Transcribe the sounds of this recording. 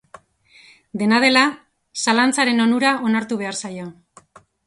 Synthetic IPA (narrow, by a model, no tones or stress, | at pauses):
d̪e̞nað̞e̞la | salant͡saɾe̞no̞nuɾaʔo̞naɾt̪uβ̞e̞aɾsajo